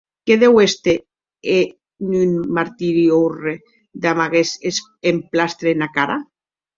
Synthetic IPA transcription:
keðewest̪e | e | nynmaɾt̪iɾiowre | d̪amaɣeses | emplast̪ɾenakaɾa

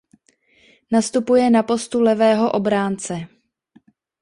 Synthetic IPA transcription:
nast̪upujɛnapo̞st̪ulɛvɛːɦo̞ʔobɾaːnt͡sɛ

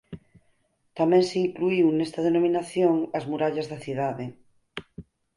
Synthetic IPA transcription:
t̪amẽŋseiŋkluiwnest̪að̞enomĩnaθjoŋazmuɾaʎazðaθiðaðe

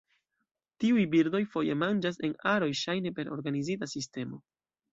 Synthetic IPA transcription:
tiujbiɾdo̞jfo̞je̞mand͡ʒas̬e̞naɾo̞jʃajne̞pe̞ɾo̞ɾɡanizitasiste̞mo̞̰

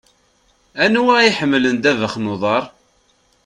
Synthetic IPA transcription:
ænwæiħəmːlənd̪ævəχnʊðˤɑɾˤ

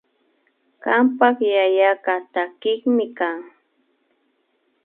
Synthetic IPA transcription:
ɢampɑχjajaɢat̪akɪŋmɪkaŋ

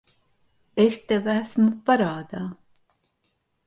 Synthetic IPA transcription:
est̪evæsmupaɾaːd̪aː

